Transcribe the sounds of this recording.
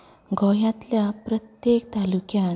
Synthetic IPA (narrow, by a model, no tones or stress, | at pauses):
ɡɔjãt̪ljapɾət̪jek̚t̪alukja